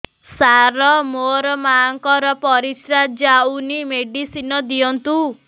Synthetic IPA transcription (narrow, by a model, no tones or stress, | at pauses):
saɾɔmoɾɔmaŋkɔɾɔpɔɾit̪ɾad͡ʒawnimeɖisinɔd̪ijɔnt̪u